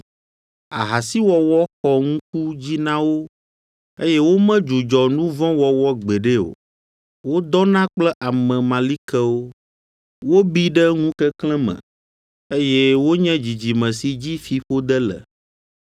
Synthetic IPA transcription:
a˨ɦa˨si˦wɔ˨wɔ˦xɔ˨ŋũ˦k̚u˦d͡ʑi˦nã˦wo˦ | e˦jɛ˦wo˦mɛ̃˦d͡ʒu˨d͡ʒɔ˨nũ˦vɔ̃˦wɔ˨wɔ˦ɡ͡bɛ˨ɖe˦o̰˨ | wo˦d̪ɔ˦nã˦k͡plɛ˦ʔa˨mɛ̃˨mã˨li˦kɛ˦wo˦ | wo˦bi˦ɖɛ˦ŋũ˦kɛ˦kl̃ɛ̃˦mɛ̰̃˨ | e˦jɛ˦wo˦ɲɛ̃˦d͡ʑi˨d͡ʑi˨mɛ̃˨si˨d͡ʑi˦fi˨ɸo˦d̪ɛ˦lɛ̰˨

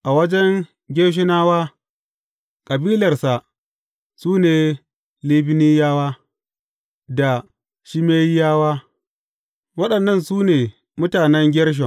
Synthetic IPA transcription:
ʔa˨wɐ˦d͡ʒɛ˦ŋ | ɡʲeː˦ʃ̬ɪ˦naː˦waː˦ | kʼɐ˨biː˦lɐ˨rsa˨ʔ | suː˦neː˨ | liː˦bɪ˦niː˦jaː˦waː˦ | da˨ | ʃi˦meː˦ji˦jaː˦waː˦ | wɐ˦ɗɐ˨nːɐ˦˨nsuː˦neː˨ | mʊ˦taː˨nɛ˦ŋɡʲɛ˦ɽʃ̬ɔ˨

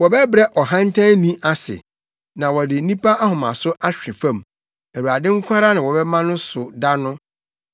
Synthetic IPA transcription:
wɔ˨bɛ˦bɾɛ˦ʔɔ˨ɦã˦n˦tʰã˦nĩ˦ʔa˦sɪ̰˨ | nã˨wɔ˨dɪ˨n̩˦nĩ˦pʰa˦ʔa˦hʊ̃˨mã̰˨sʊ˦ʔa˦ɕᶣɪ̃˨fã˦˨m | æ˨wu˨a˨dɪ̃˦ŋ̩˦kʷʰa˦ɾa˦nã˨wɔ˨bɛ˦mã˦nʊ̃˦sʊ˨da˦nʊ̃˦

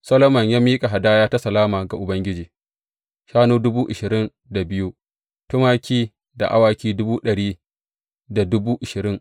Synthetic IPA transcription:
sɐ˦lɐ˦mɐ˨ɲjaː˦miː˦kʼa˨ɦa˨daː˦jaː˦ta˦sɐ˨laː˦maː˨ɡa˨ʔʊ˨bɐ˦ŋɡʲɪ˦d͡ʒiː˨ | ʃaː˦noː˦dʊ˦buː˦ʔɪ˨ʃɪ˨ɾɪ˦n | da˨bɪ˦ju˦ | tʊ˦maː˦kʲiː˦ | da̰˨ʔa˦waː˨kʲiː˦dʊ˦buː˦ɗɐ˨ɽiː˦ | da˨dʊ˦buː˦ʔɪ˨ʃɪ˨ɾɪ˦ŋ

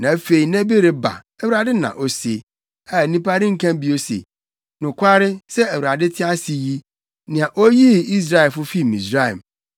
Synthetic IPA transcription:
nã˨˦fe˨i˨nɛ̃˦be˦ɾe˨ba̰˨ | æ˨wu˨ɾa˨dɪ˦nã̰˨ʔo˨se˨ | a˨nĩ˦pʰa˦ɾɪ̃˦ŋ̩˦kʰã˦bi˦o˦sḛ˨ | nʊ̃˨kʷʰa˦ɾɪ˦sɛ˦æ˨wu˨ɾa˨dɪ˦tʰɪ˦a˦si˨ji˦ | nɪ̃˨a˨ʔo˦ji˦i˦s̬ɾa˦ɛ˨lfʊ˦fi˦mĩ˨sɾa˦˨ɛ̰˨m

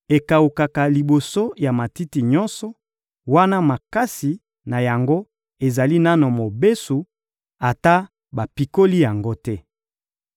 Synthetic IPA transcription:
e˨ka˨u˨ka˨ka˨li˨bo˨so˦ja˨ma˨ti˦ti˨ɲɔ˦nsɔ˨ | wa˦na˦ma˨ka˦si˨ | na˨ja˨ŋɡo˦ | e˨za˨li˦na˦no˨mo˨be˦su˨ | a˨ta˦ | ba˨pi˨ko˦li˦ja˨ŋɡo˦tɛ˦

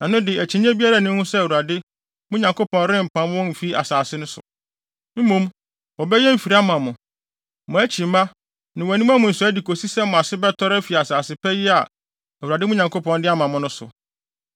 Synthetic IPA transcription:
nã˨nʊ̃˦dɪ˨æ˨t͡ɕʰi˨ñ˦ɛ̃˦bi˦a˦ɾa˨nɪ̃˦hʊ̃˦sɛ˦æ˨wu˨ɾa˨dɪ˦ | mʊ̃˦ɲã˨ŋkʰo˦pʰɔ̃˨n˦ɾɪ̃˦m̩˨pʰã˦m˦wɔ̃˦m̩˨fi˦a̰˨saː˨sɪ˦nʊ̃˦sʊ̰˨ | m̩˦mũ˦m | wɔ˨bɛ˦jɛ˦m̩˨fi˨ɾa˦mã˨mʊ̃˨ | mʊ̃˨æ˦t͡ɕʰi˨m˨˦ã˦ | nɪ̃˨wɛ˨nĩ˦m˦a˦mʊ̃˨n̩˨sʊ˨˦æ˦di˨kʰo˨si˦sɛ˦mʊ̃˨a˨sɪ˦bɛ˦tʰɔ˦ɾɛ˦fi˨a˨saː˨sɪ˦pʰɛ˦jɪ˦a˨ | æ˨wu˨ɾa˨dɪ˦mʊ̃˦ɲã˨ŋkʰo˦pʰɔ̃˨ndɪ˦a˦mã˨mʊ̃˨nʊ̃˦sʊ̰˨

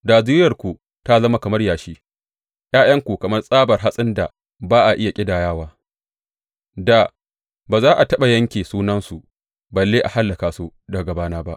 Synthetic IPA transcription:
daː˨zɪː˦ɾjɐ˨rkʷu˨ | ta˦zɐ˦ma˦kɐ˨mɐ˦rjaː˨ʃiː˦ | j̰aː˦j̰ɐ˦ŋkʷu˨kɐ˨mɐ˦rsʼaː˦bɐ˨rɦa˦sʼɪ˦nda˨ | baː˦ʔa˨ʔɪ˦ja˨kʲʼɪ˦daː˨jaː˦waː˦ | da˨ | baː˨zaː˦ʔa˨tɐ˦ɓa˨jɐ˦ŋkʲeː˨suː˦nɐ˦nsu˨ | bɐ˨lːeː˦ʔa˨ha˦lːɐ˨kaː˨su˦dɐ˨ɡɐ˨baː˦naː˦ba˦ʔ

